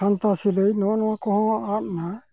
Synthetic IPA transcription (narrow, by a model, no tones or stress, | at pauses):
ant̪asilejnɔnɔwakɔɦɔ̃at̚na